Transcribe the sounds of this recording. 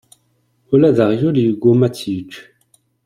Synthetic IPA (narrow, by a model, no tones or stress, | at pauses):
olad̪aʁjoliuɡomat̪ʰiːt͡ʃ